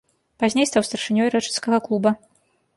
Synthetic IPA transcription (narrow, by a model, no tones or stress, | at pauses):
pazʲnʲejst̪awst̪ɐrʂɨnʲɔiɾɛt͡ʂɛ̥nskɐɣɐklˠubɐ